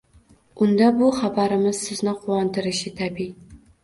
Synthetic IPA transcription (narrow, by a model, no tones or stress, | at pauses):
ʔund̪ɑbuχabaɾɪmɪz̥sɪznɪqʰuwɑnt̪ɨɾɪʃɪt̪ʰæbi